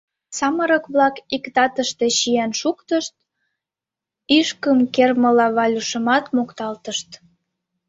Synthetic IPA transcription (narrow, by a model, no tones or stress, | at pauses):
sɑməɾəkβlɑkikt̪ɑt̪əʃt̪e̽ɕijenʃukt̪əʃt̪̚ | iʃkəmkerməlɑβɑlʲuʃəmɑt̪mokt̪ɑlt̪əʃt̪